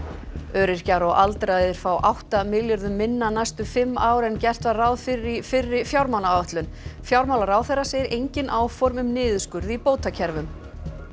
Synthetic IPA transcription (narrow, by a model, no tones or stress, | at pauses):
œːɾɪɾ̥caɾɔʔalt̪ɾajððɪɾ̥faːwʔawht̪amɪljʏɾðʏmːɪnːanajst̪ʏfɪmːaːwɾɛncɛr̥t̪vaɾrawðfɪɾɪfɪrːɪfjawɾmawnaœht̪lʏn | fjawɾmawlaɾaːwθɛrːaseːjɪɾʔejɲcɪnʔaːwfɔɾmʏmnɪːðʏskʏɾðipoːwt̪acʰɛɾvʏm